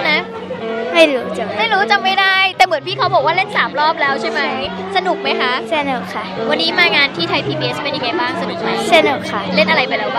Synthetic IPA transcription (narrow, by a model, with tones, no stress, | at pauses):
na˦˥ | ma˥˩jɾɯ˨˦a˧˩ma˥˩jɾuː˦˥t͡ɕa˧mːa˥˩jda˥˩jt̪ɛː˨˩mɯ˨˩˦npʰiː˥˩kʰa˦˥wbʰɔ˨˩˦waː˥˩le˥˩nsaː˩˦mɾɔː˥˩p̚lɛː˦˥wt͡ɕʰa˥˩jma˦˥j | sa˧nu˨˩k̚ma˦˥jkʰa˦˥ʔsa˥˧˩n˨˩kʰa˥˩wa˧nːiː˦˥maː˧ŋaː˧nt̪ʰiː˥˩t̪ʰa˧jpʰiː˧biː˧ʔe˦˥spe˧nʔi˧keː˧˩baː˥˩ŋsa˧nu˨˩k̚ma˦˧˩je˥˩n˨˩kʰa˥˩le˥˩nʔa˧ɾa˧jpa˧jlɛː˦˥wa˥˩